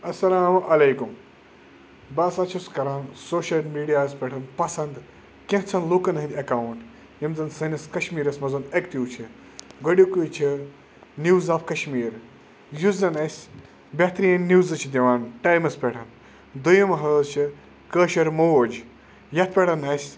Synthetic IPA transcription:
ɐsːɐlaːmʔɐlejkum | baːsaːt͡ʃʰuskɐɾaːnsoːʃɐlmiːɖijaːspʲeʈʰɐnpɐsɐnd̪ | kʲẽɦt͡sʰɐnlukɐnɦɐnd̪ʲɐkaːwuɳʈ | jɐmzɐnsɐnʲɐskɐʃmiːɾɐsmɐzɐnɐkt̪iwt͡ʃʰi | ɡɐɽʲjukut͡ʃʰi | nuːwzaːfkɐʃmiːɾ | juzɐnɐsʲ | bɐt̪ɾiːɐnniːzɨt͡ʃʰid̪ʲɐʋaːnʈaːjmɐspʲeʈʰɐn | d̪ujɐmɦɐzt͡ʃʰi | kəːʃɐɾmoːd͡ʒ | jɐt̪̚ʰpʲeʈʰɐnɐsʲ

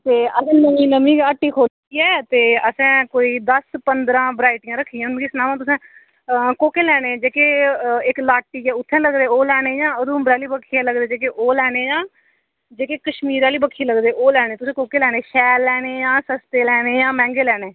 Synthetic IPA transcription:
t̪eːəɡnəmĩːnəmiːaːʈːiːkʰoː | iːɛːt̪eːəsɛ̃ːkoːiːd̪əspənd̪ɾãːbɾaːɪʈɪjãːɾəkʰːiːãnkɪsnãːmãːt̪̬ʊsɛ̃ː | koːkeːlɛːɽeːd͡ʒeːkeːɪklaːʈːiːjãːʊt̪ʰːɛ̃ːləɡd̪eːoːlɛːɽ̃eːjãːəd̪ũːmbɾaːliːbəkʰːiːãːləɡd̪eːd͡ʒeːkeːʔoːlɛːɽ̃eːjãː | d͡ʒeːkeːkəʃmiːɾaːliːbəkʰːiːləɡd̪eːʔoːlɛːɽ̃eːt̪ʊsẽːkoːkeːlɛːñeːʃɛːlːɛːɽ̃eːjãːsəst̪eːlɛːɽeːjãːmɛ̃ːŋɡeːlɛːɽeː

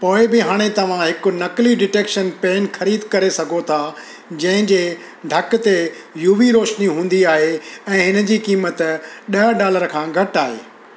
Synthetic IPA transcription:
poːɪbɪɦaːɽ̃et̪ɐʋ̤ãɦɪkʊ̆nɐkliɖɪʈeːkʃənpeːnxɐɾiːd̪kɐɾesɐɡʱot̪ʰa | d͡ʑɐ̃ɦɪ̃ɲd͡ʑeː | ɖʱɐkt̪e | juʋiɾoːʃniɦũːn̆d̪iaːɦeɛ̃ːɦɪnə̆d͡ʑiːkiːmət̪ɗɐɖaːləɾkʰãːɡʱɐʈaːɦḛː

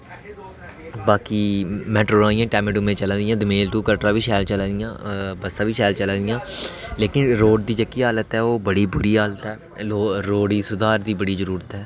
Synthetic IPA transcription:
baːkiːmɛːʈɾoːɾãːɪ̃ãːʈɛːmɪɖʊmẽːt͡ʃəlãːd̪ɪjãːd̪əmeːlʈuːkəlʈɾaːʋiːʃɛːlt͡ʃəlãːd̪ɪjã̰ːbəsãːʋiːʃɛːlt͡ʃəlãːd̪ɪjãː | leːkɪnɾoːɖd̪iːd͡ʒəkiːɦaːlət̪ɦɛːoːbəɽiːbʊɾiːɦaːlət̪ɦɛː | oːɾoːɖiːsʊd̪aːɾd̪iːbəɽiːzəɾuːɾət̪ɦɛː

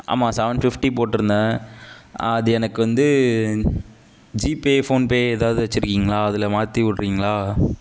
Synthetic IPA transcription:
ʔa̰ːmãːsɐːʋɐɳɖfɪfʈipoːʈːɪɾɯnd̪ãː | ɐðɯɛnɐkːɯʋɐnd̪ɯ | d͡ʒiːpeːfoːnpeːɛðaːʋɯðɯʋɐt͡ʃːɪɾɯkːiːŋɡɐɭaːɐðɪlɐmaːt̪iʋʊʈːɾiːŋɡɐɭaː

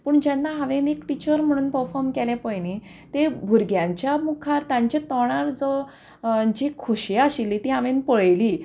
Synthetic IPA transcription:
pəːɳd͡ʑɛnːaɦaʋẽnekʈit͡ɕəɾm̤əɽ̃uːnpəɾfɔɾmkɛlɛ̃pəjni | t̪ebʱuɾɡjãɲt͡ɕjamukʰaɾt̪jãɲt͡ɕt̪ɔɽ̃aɾd͡zɔ | d͡ʑikʰuɕjaəɕilːit̪iːɦãʋẽnpəɭli

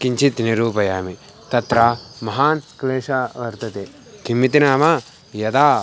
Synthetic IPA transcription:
kiɲt͡ʃʰit̪niɾuːpɐjaːmi | t̪ɐt̪ɾaːmɐɦaːnkleːʃaːʋɐɾt̪ɐt̪eː | kimːit̪inaːma | jɐd̪aː

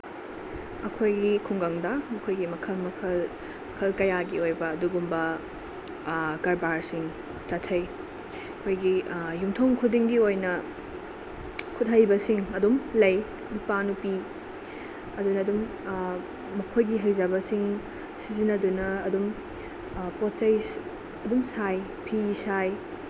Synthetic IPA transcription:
ɐkʰojɡikʰuŋɡaŋdɐmɐkʰojɡimɐkʰɐlmɐkʰɐl | mɐkʰɐlkɐjaɡiojbɐːduɡumbɐ | ɡɐɾbaɾsiŋ | t͡ʃɐtʰːɐj | ɐkʰojɡijumtʰomkʰudiŋɡiojnɐ | kʰut̚ɦɐjbɐsiŋɐdumlɐj | ɐdupanupi | ɐdunɐːdum | ɐkʰojɡiɦɐjzɐbɐsiŋ | sizinɐdunɐːdum | pot̚t͡ʃɐj | ɐdumsaj | pʰisaj

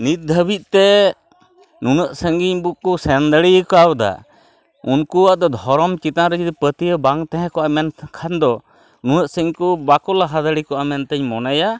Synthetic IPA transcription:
nit̪̚d̪ʱəbit̪̚t̪ɛ | nunəʔsəŋɡiɲbuʔkusɛnd̪əɽijəkawd̪a̰ | unkuwaʔd̪ɔd̪ʱɔɾɔmt͡ʃit̪aɾəd͡ʒid̪ipət̪ijəbaŋt̪ɛ̃ɦɛ̃kɔʔamɛnkʰand̪ɔ | nunəʔsəɲkubakɔlaɦad̪əɽikɔʔamɛnt̪əɲmɔnaja

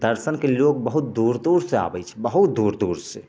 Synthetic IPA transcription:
d̪əɾʃənkeloːk̚bəɦut̪̚d̪uɾd̪uːɾsea̰ːbɛt͡ʃʰɛbəɦut̪̚d̪uːɾd̪uːɾse

